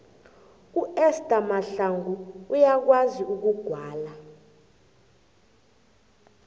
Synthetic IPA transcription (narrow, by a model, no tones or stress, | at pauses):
uɛstʼamaɬaŋɡuːjak̬waziuk̬uɡ̥ʱwaːla